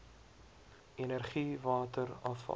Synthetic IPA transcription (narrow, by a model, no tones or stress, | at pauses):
enərχivɑːtəɾɐfɐ̰